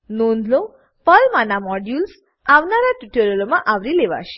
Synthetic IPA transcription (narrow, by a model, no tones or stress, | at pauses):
nond̪lo | pəlmanamɔɖjuls | aʋnaɾaʈuʈeɾolomãʔaʋɾileʋa̰ʃe̥